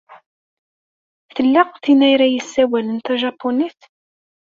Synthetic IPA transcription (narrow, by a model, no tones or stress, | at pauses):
θəlːɑqθinæjɾæjəsːæwælənt̪æʒɑpːoniθ